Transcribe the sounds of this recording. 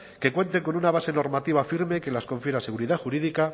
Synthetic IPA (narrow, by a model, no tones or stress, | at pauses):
ke̞kwe̞nt̪e̞ko̞nunaβase̞no̞ɾmat̪iβ̞afiɾme̞ke̞lasko̞ɱfjeɾase̞ɣuɾiðaxuɾiðika